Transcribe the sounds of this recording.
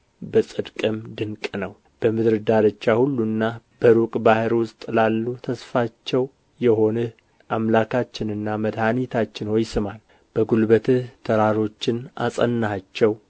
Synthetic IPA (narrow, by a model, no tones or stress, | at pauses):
bəsʼɨd̪kʼɨmd̪ɨŋkʼnəw | b̥əmɨd̪ɾɨd̪aɾət͡ʃːahulːunːab̥əɾukʼbahɨɾwʊst̪ʼlalːut̪ʰəsfat͡ʃːɛw | jɛho̞nɨ | ʔamlakʰat͡ʃːɪnɨnːaməd̪hanit̪ʰat͡ʃːɪnhojsɨmal | b̥əɡulbət̪ʰɨht̪ʰəɾaɾo̞t͡ʃːɪna̰sʼə̰nːhat͡ʃːɛw